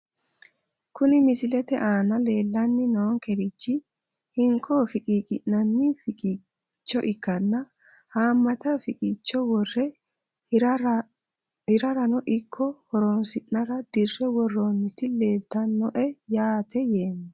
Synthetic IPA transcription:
kʊnɪmɪsɪlɛt̪ɛʔaːnɐle̞ːlːɐnːɪnoːŋkɛɾɪt͡ʃːɪ | hɪŋkʰːofɪkʼiːkʼɪʔnːɐnːɪfkʼi | t͡ʃːɔʔɪkːɐnːɐ | haːmːɐt̪ɐfɪkʼɪt͡ʃːɔwɔrːɛ | hɪɾɐɾɐnɔʔɪkʰːɔhɔɾoːnsɪʔnɐɾɐd̪̥ɪrːɛwɔrːoːnːɪt̪ɪle̞ːft̪ɐnːɔʔɛjaːt̪ɛjeːmːɛ

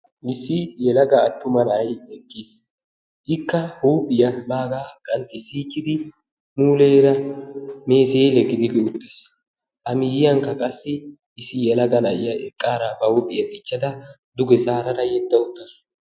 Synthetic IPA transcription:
mɪsːɪjɛlɐɡɐːt̪ːʊmɐnajɛkːis | ʔɪkːɐhuːpʼɪjɐbaːɡakʼɐnt̪ɪsiːt͡ʃːɪd̪ɪ | muːleːɾɐme̞ːselɛɡɪd̪ɪɡ̪ɪʊt̪ːɪs | ʔɐmɪjɪjɐŋkːɐkʼɐsːɪ | ʔɪsɪjɛlɐɡɐnɐjɪjɐɛkʼːaːɾabɐhuːpʼɪjɐt̪ʼɪt͡ʃːɐd̪ɐ | d̪ʊɡɛzaːɾɐɾɐjɛd̪ːɐʊt̪ːɐsʊ̥

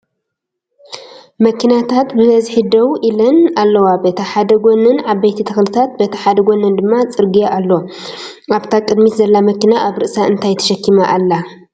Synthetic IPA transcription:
mɐkːinat̪ʰat̪bɨɐzħid̪ɐwʔilɐnalːɐwabet̪ʰɐħad̪ɐɡʷonɨnʕaβɐjt̪ʰit̪ʰɐxlɨt̪ʰat̪̚bet̪ʰɐħad̪ɐɡʷonɨnd̪ɨmːat͡sʼɨɾɡijaʔalːo | aβt̪ʰakʼɨd̪mit̪zɐlːamɐkːinaʔaβɾɨʔsaɨnt̪ʰajt̪ʰɐ̥ʃɐkːimaʔalːa

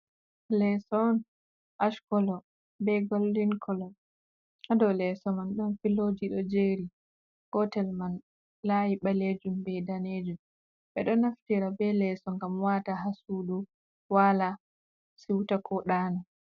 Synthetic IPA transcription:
lɛsɔn | ʔaʃkɔlɔ | bɛɡolːinkʰɔlɔ | adɔlɛsɔmanɗɔnfiloːd͡ʒiɗɔd͡ʒeːɾi | kɔtɛlman | lajiɓaled͡ʒumbɛdaned͡ʒum | ɓɛɗɔnaftiɾabɛlɛsɔŋɡamwataɦasuɗu | wala | siwtakʰɔɗaːnɔ

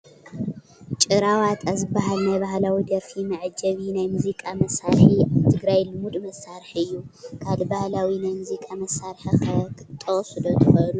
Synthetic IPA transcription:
t͡ʃʼɨɾawat̪ʰʼazɨbːaɦalnajbaɦlawid̪ɐɾfimɐʕɨd͡ʒɐβinajmuzikʼamɐsaɾħiaβt̪ʰɨɡɾajlɨmud̪mɐsaɾħiɨjːukʰalbahlawinajmuzikʼamɐsaɾħikʰɐkɨt̪ʼːɐsud̪ot̪ʰɨxɐlu

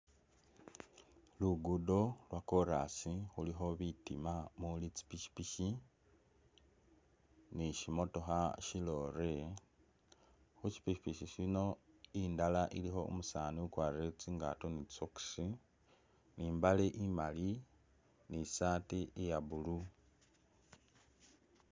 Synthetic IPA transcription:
luɡudo̞lwako̞ɾasixulixo̞βitimamulit͡si̥piʃi̥piʃi | niʃimo̞to̞xaʃilo̞ɾe | xut͡ʃi̥piʃi̥piʃiʃino̞ | indalaʔilixo̞̰o̰musaːniukwaːriɾet͡siŋɡa̰tonit͡soksi | niːmbaleʔimali | nisaːtiejaβulu

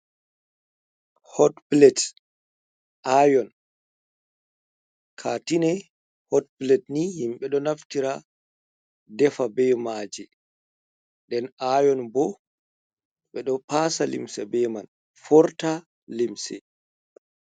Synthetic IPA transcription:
hɔtplɛt | ʔajɔn | kʰatinɛ | hɔtplɛtnihimɓɛɗɔnaftiɾa | dɛfabɛmaːd͡ʒɛ | ɗɛnajɔnbɔ | ɓɛɗɔpaːsalḭmsɛ̰bɛman | fɔɾta | limsɛ̰

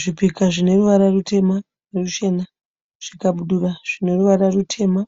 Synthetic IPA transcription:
ʐipikaʐine̞ruʋaɾarute̞ma | reruʃe̞na | ʐ̥ikaɓuɗuraʐ̥ine̞ruʋaɾarutʰe̞ːma

